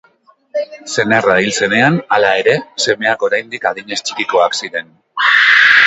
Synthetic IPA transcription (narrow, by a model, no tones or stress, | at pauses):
se̞nerailse̞ne̞analae̞ɾe̞se̞me̞ako̞ɾajnd̪ikað̞iɲe̞st͡ʃi̥kiko̞aksiɾe̞n